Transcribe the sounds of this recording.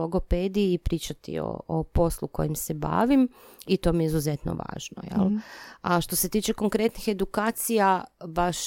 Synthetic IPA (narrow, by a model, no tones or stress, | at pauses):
oɡo̞peːd̪ijiːpɾiːt͡ʃat̪ḭo̰opo̞slˠuko̞̰jimseba̰ːʋim | it̪o̞mijeizuzet̪no̰ʋa̰ːʒnojḛlaʃt̪o̞se̞t̪iːt͡ʃe̞ko̞ŋkɾe̞t̪nixe̞d̪ukaːt̪sijabaʃ